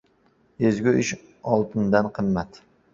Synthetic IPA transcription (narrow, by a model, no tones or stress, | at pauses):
ezɡʲʊɪʃ | ɒlˠt̪ʰɪnd̪anqʰɨmːat̪